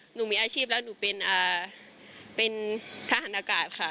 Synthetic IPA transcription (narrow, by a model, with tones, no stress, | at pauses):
nuː˧˩miː˧ʔaː˧t͡ɕʰiː˥˩p̚lɛː˦˥wnuː˧˩pe˧nʔaː˨˩ | pe˧nt̪ʰa˧ha˨˩˦nʔaː˧kaː˨˩t̪̚kʰa˥˩